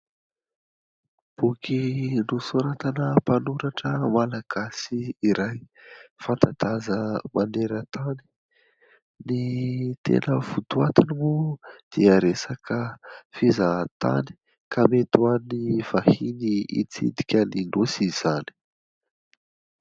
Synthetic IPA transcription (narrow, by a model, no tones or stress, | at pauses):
b̥ukʰinusoɾat̪anəpanuɾaʈ͡ʂəmalaɡ̥asiːɾaj | fant̪ad̪̥azəmaneɾət̪ani̥ | nit̪ḛnəvut̪uat̪inimud̪̥iəɾesakəfizat̪a̰ni̥ | kamet̪uaniv̥ahiniḭt͡sḭd̪ikʲəninusiz̥ani̥